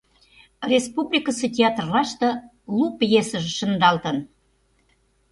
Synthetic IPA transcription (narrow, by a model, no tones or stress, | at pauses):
rʲespublʲikəsetʲeɑt̪rlɑʃt̪ɤ̆ | lupjesə̆ʒĕʃə̆nd̪ɑlt̪ən